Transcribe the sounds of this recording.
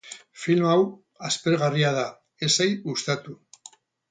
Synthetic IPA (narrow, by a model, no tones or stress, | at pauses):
filmaw | aspeɾɣariað̞a | e̞sejust̪at̪u